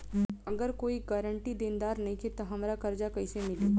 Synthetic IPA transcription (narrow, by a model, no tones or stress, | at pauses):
ɐɡəɾkoːiɡɐːɾəɳʈid̪ĩːnd̪aːɾnɐɦĩkʰet̪ɐɦɐmɾakɐɾd͡ʒakɐisemɪliː